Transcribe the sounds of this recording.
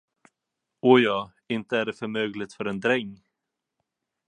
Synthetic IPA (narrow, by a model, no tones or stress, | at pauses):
ɔjɑː | ɪnt̪əæɖɛfœɾmøːɡlɪt̪fœɾɛnd̪ɾɛŋː